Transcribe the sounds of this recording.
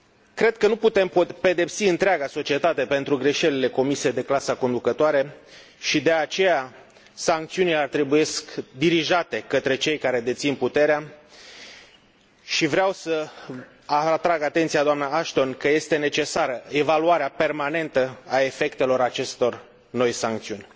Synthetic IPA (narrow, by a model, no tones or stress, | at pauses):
kɾe̞d̪̚kənuput̪e̞mpe̞d̪e̞psiɨnt̪ɾeaɡaso̞t͡ʃie̞t̪at̪e̞pe̞nt̪ɾuɡɾe̞ʃe̞lile̞ko̞misied̪e̞klasəko̞nd̪ukət̪oaɾe̞ | ʃid̪e̞at͡ʃe̞ja | saŋk̚t̪siunileart̪ɾibuje̞skd̪iɾiʒat̪e̞kət̪ɾe̞t͡ʃe̞jkaɾe̞d̪e̞t̪sinput̪e̞ɾea | ʃivɾeawsə | at̪ɾaɡat̪e̞nt̪sijad̪oamnaaʃt̪o̞nkəje̞st̪e̞ne̞t͡ʃe̞saɾəe̞valuaɾeape̞rmane̞nt̪əae̞fe̞kt̪e̞lo̞ɾat͡ʃe̞st̪o̞r | no̞jsaŋk̚t̪siunʲ